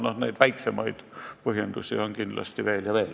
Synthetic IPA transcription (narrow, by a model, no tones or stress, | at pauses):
nohnæit̪ʋæiksemɑit̪pohjent̪usiɑŋkinlɑ̰st̪iʋeːljɑʋeːl